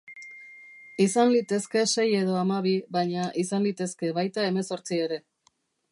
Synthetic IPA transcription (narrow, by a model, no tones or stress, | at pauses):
isanlit̪e̞ske̞se̞je̞ðo̞amaβ̞iβajɲaʔisanlit̪e̞ske̞βajt̪ae̞me̞so̞ɾt͡sie̞ɾe̞